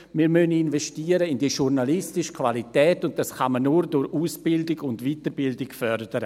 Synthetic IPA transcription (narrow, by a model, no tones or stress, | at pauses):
miːɾmønɪnvɛʃtiːəɾəɪndiːʃuɾnalɪstɪʃə̥kʰvalitɛːtʊnt̚d̥asχamənːuɾdʊɾuːsb̥ɪldɪɡʊndviːtəɾbɪldɪɡfœɾdəɾə